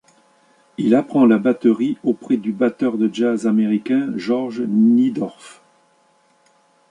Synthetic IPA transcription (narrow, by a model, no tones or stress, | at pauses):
ilapχɑ̃labat̪əʁiopχɛd̪ybat̪œʁd̪əʒazameʁikʲɛ̃ʒɔʁʒnid̪ɔʁf